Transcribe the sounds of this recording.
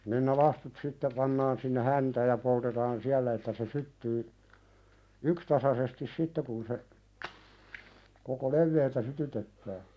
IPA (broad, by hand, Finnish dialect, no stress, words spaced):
nin ne lɑstut sitːe pɑnːɑːn sinːe hæntæːj jɑ poltetɑːn siælːæ etːæ se sytːyː ykstɑsɑsestis sitːe kun se koko leʋːeːltæ sytytetːæː